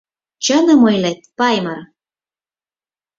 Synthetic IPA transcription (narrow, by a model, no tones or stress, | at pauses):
t͡ɕə̆nɤ̆mɤjlet̪̚pɑjmɤr